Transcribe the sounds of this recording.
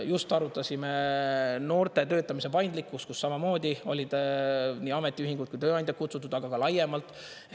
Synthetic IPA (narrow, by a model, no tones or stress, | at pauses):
just̪ɑɾut̪ːˑɑsʲimeno̞ːrt̪e̞t̪ø̞ːt̪ːˑɑmise̞pɑjnd̪likːˑust̪kusːɑmɑmo̞ːd̪̥ʲio̞lʲid̪̥niːɑme̞t̪ːˑiyhɦiŋɡ̥ud̪kujt̪øːɑjnd̪ʲjɑt̪kut̪sut̪ːˑud̪ɑɡ̥ɑkɑlɑjemɑlt̪ːˑ